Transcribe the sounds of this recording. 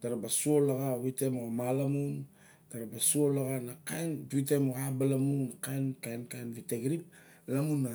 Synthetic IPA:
daɾabasuolaɡawitemoɡamalamun | daɾabasuolaɡanakajnbuit̬emoɣabalamunːakajnkajnkajnviteɡɾip̚ | lamunːa

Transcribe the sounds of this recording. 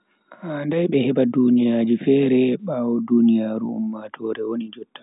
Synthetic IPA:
andajɓɛhɛbadunijad͡ʒifɛːɾɛɓawɔdunijaːɾṵṵmːatʰɔːɾɛwonid͡ʒɔtːḁ

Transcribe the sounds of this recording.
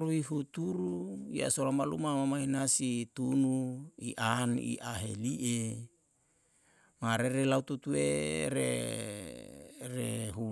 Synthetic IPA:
ɾuiɦut̪uɾuja̰solamalṵmamamaɦinasit̪unuiʔanḭʔaɦeliʔe | maɾeɾelaut̪ut̪ueɾḛ | reɦu

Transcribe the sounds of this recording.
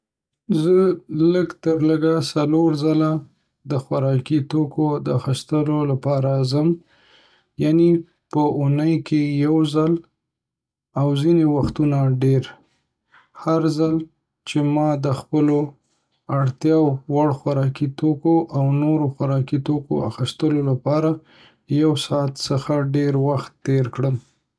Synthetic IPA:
zələɡt̪əɾləɡasaloɾzala | d̪əxwaɾɑkit̪okʰod̪əaxist̪əlolapɑɾazəm | jane | pəunəjkʰejawzal | awzinewaxt̪unaɖeɾ | haɾzal | t͡ʃemɑd̪əxpəlo | aɽt̪jɑwwaɽxaɾɑkit̪okoʔawnoɾoxaɾɑkit̪oko̰a̰xist̪əlolapɑɾa | jawsɑt̪səxaɖeɾwaxt̪ːeɾkɽəm

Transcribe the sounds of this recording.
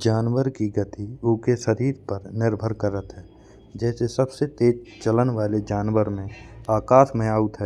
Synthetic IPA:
d͡ʒaːnwəɾkiɡət̪iʊːkeʃəɾiːɾpəɾnɪɾbʱəɾkəɾət̪ɦɛː | d͡ʒɛːsesəbset̪eːd͡ʒt͡ʃələnʋaːled͡ʒaːnwəɾmẽaːkaːt̪ʰmẽaːut̪ɦɛː

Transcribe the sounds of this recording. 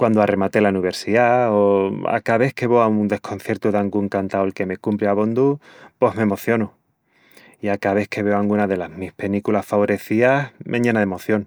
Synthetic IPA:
kwand̪oare̞mat̪elauniβe̞ɾsiðaoa̰kaβ̞e̞hke̞βo̞aund̪e̞hkʰo̞nθje̞ɾt̪uðaŋɡueŋkant̪aolke̞me̞kumpɾjaβo̞nd̪upo̞ɦme̞mo̞θjo̞nu | iakaβ̞e̞hkʰe̞βe̞oaŋɡunaðe̞lazmihpe̞nikulasfaβo̞ɾʔe̞θiamʔẽɲãnaðemo̞θjo̞ŋ

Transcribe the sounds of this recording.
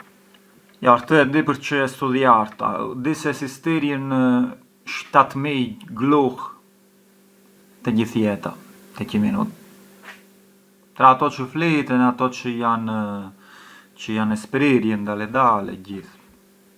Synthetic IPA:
jaɾt̪əɛd̪ipəɾt͡ʃəɛst̪uðiaɾt̪a̰d̪isɛsist̪iɾjənə | ʃt̪at̪miɡluh | t̪ɛɟiθjɛt̪a̰ | t̪ɛcəminṵt̪̚ | p̪ɾaːt̪ɔt͡ʃəflit̪ɛnat̪ɔt͡ʃəjan | t͡ʃəjanɛspɾiɾjənd̪alɛd̪alɛ̰ɟiθ

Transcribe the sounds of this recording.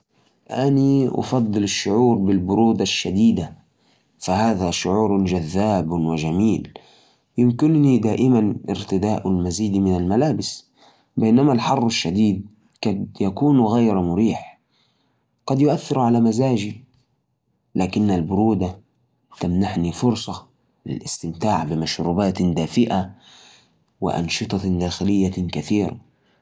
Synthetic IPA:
ʔaniʔɑ̰fɑd̪ˤːɨlɪʃːʊʕuːɾbɪlbʊɾuːd̪aʃːad̪iːd̪a | fahaːðaʃʊʕuːɾd͡ʒaðːaːbwɪʒamiːl | jɪmkɪnnid̪aːʔɪmanʔɪ̰ɾt̪ɪd̪aːʔalmaziːd̪mɪnalmalaːbɪs | bajnamalħɑrˤːɪʃːad̪iːd̪̚ | kɑd̪jakuːnɣajɾmʊɾiːħ | ɡ̥ɑd̪jʊʔaθːɪɾʕalamazaːʒi | laːkɪnːalbʊɾuːd̪a | t̪amnaʕnifʊɾsˤɑ | lɪ̰lʔɪ̰st̪ɪmt̪aːʕbɪmaʃɾuːbaːt̪d̪aːfɪʔa | wɪ̰ʔɑ̰nʃɨt̪ˤɑd̪aːxɪlɪjːakaθiːɾa̰

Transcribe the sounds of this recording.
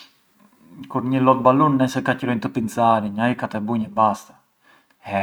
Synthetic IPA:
kuɾɲilɔt̪̚balunːɛsɛkacɾɔint̪əpint͡saɾiɲaikat̪ɛbuɲɛbast̪ḁ | hɛ

